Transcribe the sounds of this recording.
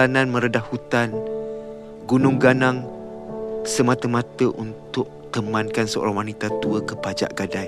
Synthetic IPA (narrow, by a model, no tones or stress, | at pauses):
anãnmə̃ɾədahhut̪an | ɡunʊŋɡanaŋ | səmãt̪əmãt̪əʔunt̪ʊʔ̚t̪əmãnkansəo̰ɾaŋwanit̪at̪uəkəpad͡ʒa̰ʔɡadaj